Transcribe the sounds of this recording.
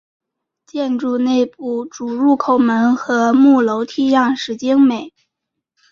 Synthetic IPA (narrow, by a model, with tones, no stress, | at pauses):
t͡ɕjɛ˥˧nʈ͡ʂu˥˧ne˥˧ɪp̚u˥˩ʈ͡ʂu˨˩ɻu˥˩kʰo˨˩ʊmə˧˥nxɤ˧˥mu˥˩lo˧˥ʊt̪ʰi˥jɑ˥˩ŋʂɻ̩˧˥t͡ɕi˥ŋme˨˩˦ɪ